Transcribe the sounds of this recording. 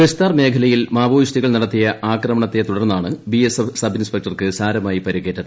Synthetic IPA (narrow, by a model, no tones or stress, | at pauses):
best̪aːrme̞ːkʰɐlɐjilmaːboːʋiɕtiɣɐɭnɐɽɐt̪ːijɐʔaːkrɐmɐɳɐt̪ːe̞t̪uɽɐrnːaːɳɨbiesefsɐbʱinspek̚ʈɐrkɨsaːɾɐmaːjipɐɾiɣe̞ːʈːɐð